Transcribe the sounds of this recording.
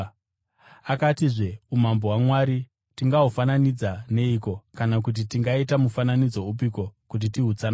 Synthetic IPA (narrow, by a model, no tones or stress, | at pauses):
akatiʐe̞umamboɦwamwaɾi | tiŋɡaɦufananid͡zane̞iko̞kanak̬ut̬itiŋɡaitamufananid͡zo̞up̬iko̞kut̬itiɦut͡sana